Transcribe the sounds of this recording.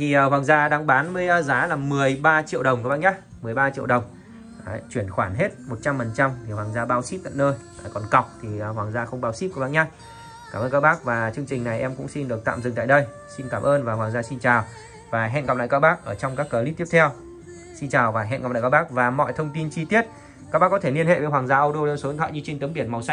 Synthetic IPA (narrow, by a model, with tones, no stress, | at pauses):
t̪ʰi˨˩˧hwaː˨˩ŋzaː˧ɗaː˨˧˦ŋɓaː˨˦nmə˧˨˦jzaː˨˦laː˨˩mɨ˨˩əjɓaː˧t͡ɕḭ˧˨əwɗə˨˩wŋ͡mkɓaː˧˥nɲaː˦˥k̚ | mɨ˨˩əjɓaː˧t͡ɕḭ˧˨əwɗə˨˩wŋ͡m | t͡ɕwi˧˩ənxwaː˧˩nɦe˦˥t̚mo˨˩t̚t͡ɕa˧mfə˨˩nt͡ɕa˧mt̪ʰi˨˩waː˨˩ŋzaː˧ɓaː˧wsi˦˥p̚t̪a̰ː˧˨nəː˧ja˨˩kɔ˨˩nka˨˩wk͡p̚t̪ʰi˨˩˨ɦwaː˨˩ŋzaː˧xə˧wŋ͡mɓaː˨˦wsi˦˥p̚kɓ̰ːnɲaː˦˥k̚ | kaː˧˩məː˧nkaː˧wɓaː˦˥k̚vaː˨˩t͡ɕɨ˧əŋt͡ɕï˨˩ŋ̟na˨˩jʔɛ˧mkʊ̰˧˥ŋ͡msi˧nɗɨ˨˩ək̪̚a̰ː˧˨mzɨ˨˩ŋt̪a̰ː˧˨jɗə˧j | si˧nkaː˧˩mʔəː˧nvaː˨˩ɦwaː˨˩ŋzaː˧si˧nt͡ɕaː˨˩w | vaː˨˩ɦɛ̰˧˨nkp̚la̰˧˨ka˧wɓaː˦˥k̚ʔəː˧˩t͡ɕɔ˧wŋ͡mkaː˦˥kːəː˧˩lḭ˧˥t̪i˦˥ət̪ʰɛ˧w | si˧nt͡ɕaː˨˩wvaː˨˩ɦɛ̰˧˨nkk͡pla̰ː˧˨˧kːa˧wɓaː˦˥k̚vaː˨˩mɔ̰˧˨jt̪ʰə˧wŋ͡mt̪i˧nt͡ɕi˧t̪i˦˥ət̚ | kaː˦wɓaː˦˥kːɔ˨˦t̪ʰe˧˩li˧ənhḛ˧˨veː˨˦jɦwaː˨˩ŋzaː˧ʔə˧wɗo˧so˨˦˨t̪ʰwa̰˧˨ɲɨ˧t͡ɕe˧ŋt̪ɨ˨˦ɓi˧˩ənma˨˩wsa˧